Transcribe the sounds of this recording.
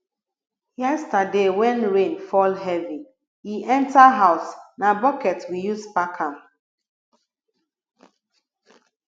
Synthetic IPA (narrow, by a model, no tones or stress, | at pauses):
jɛstadewɛ̃nɹẽnfɔlɦɛvi | hiʔɛ̃ntaɦaʊsnabɔkɛtwijuspakʰãm